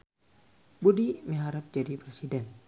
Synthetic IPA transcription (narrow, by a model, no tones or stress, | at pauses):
budimiɦaɾap̚d͡ʒadipɾɛsidɛn